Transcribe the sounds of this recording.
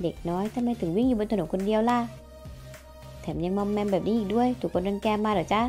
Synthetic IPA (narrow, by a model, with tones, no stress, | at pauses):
de˨˩k̚nɔː˦˥jt̪ʰmːa˧jt̪ʰɯ˨˩˦ŋwi˧˥˨ŋjuː˧˩bnt̪ʰa˧no˨˦ko˧ndi˧əwla˧˥˩ | t̪ʰɛː˩˦mɲa˧ŋmɔ˧mːɛː˧mbɛː˨˩p̚niː˧ʔiː˨˩k̚du˧˥˨əjt̪ʰu˨˩kʰːo˧na˧nkɛː˧maː˧ɾɔː˨˩˦t͡ɕa˧˥